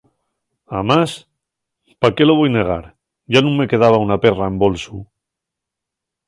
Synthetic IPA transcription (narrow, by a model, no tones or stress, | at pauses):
amas | pakeloβ̞ojne̞ɣ̞a̰ɾ | ʝanũŋmːe̞ke̞ð̞aβ̞aunaperaembo̞lsu